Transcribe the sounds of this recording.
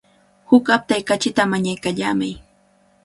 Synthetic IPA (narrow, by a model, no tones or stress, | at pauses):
hʊkap̚t̪ajkat͡ʃɪt̪amaɲajkaʎaːmaj